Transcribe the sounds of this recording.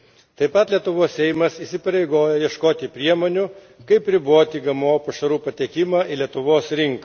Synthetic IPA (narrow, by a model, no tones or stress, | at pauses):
t̪ɐɪpɐt̪lʲiɛt̪ʊʋoːsʲɛjmɐsiːsʲɪpɐɾʲɛɪɡoːjɛjiɛʃkoːt̪ʲipʲɾʲiɛmoːnʲʊ | kɐɪpɾʲɪboːt̪ʲiːɡɐmoːpɐʃɐɾuːpɐt̪ʲɛːkʲɪmɑːʔilʲiɛt̪ʊʋoːsɾʲɪŋkɐ